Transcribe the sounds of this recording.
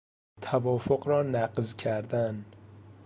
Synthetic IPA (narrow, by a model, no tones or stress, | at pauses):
t̪ʰævɒːfoɢɾɒːnæqzcʰæɾd̪æn